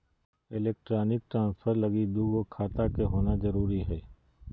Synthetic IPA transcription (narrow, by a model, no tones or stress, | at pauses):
ɪleːk̚ʈɾaːnɪk̚ʈɾãːnsfʰəɾlɐɡid̪uːɡokʰaːt̪akeɦoːnazɐɾuːɾiɦɛː